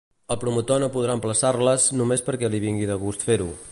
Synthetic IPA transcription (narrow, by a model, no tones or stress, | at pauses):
əlˠpɾumut̪onopuð̞ɾaəmpləsaɾləznumespəɾkɛliβ̞iŋɡiðəɣ̞ust̪feɾṵ